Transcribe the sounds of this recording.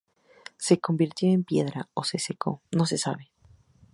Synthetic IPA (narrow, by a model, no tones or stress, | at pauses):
se̞ko̞mbiɾt̪jo̞empje̞ðɾa̰ose̞sekʰo̞̰no̞s̬e̞saβe̞